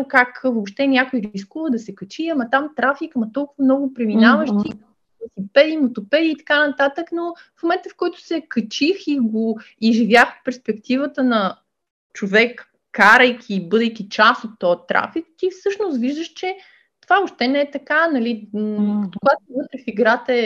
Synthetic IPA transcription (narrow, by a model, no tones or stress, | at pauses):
kakvopʃt̪ɛnʲjakojɾiskuvəd̪ɐsɛkət͡ʃiɐmɐt̪amt̪ɾafikɐmɐt̪ɔlˠkʊvɐmnɔɡʊpɾɛminavəʃt̪ikm | isipɛd̪imot̪opɛd̪iːt̪ɐ̥kanɐt̪at̪əknofmomɛnt̪əfkɔjt̪ʊ̥sɛkət͡ʃixiɡo | iʒivʲjaxot̪̚pɛɾspɛkt̪ivət̪ənɐ | t͡ʃovɛkː | aɾəjkʰʲibɤd̪əjk̟it͡ʃasot̪ːɔt̪ɾa̰fik̚t̪ifsɤʃnʊst̪viʒd̪əʃt͡ʃɛ | t̪ovaopʃt̪ɛnɛɛt̪ɐkanɐli | kʊɡat̪ovɤt̪ɾɛfiɡɾat̪əɛ